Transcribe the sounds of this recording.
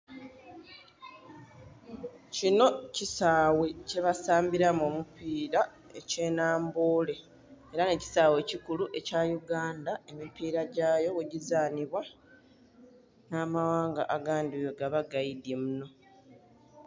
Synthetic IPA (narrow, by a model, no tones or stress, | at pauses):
cino̞cisaːwe̞ce̞βasaːmbiɾamo̞ːmupiːɾa | e̞ce̞ːnaːmboːle̞ | eɾane̞ci̥saːwe̞cikuluʔe̞caːjuɡaːndae̞mipiːɾaɟaːjo̞weɟizaːniβwa | naːmawaːŋɡa̰ʔaɡaːndijoɡaβaɡaidemuno̞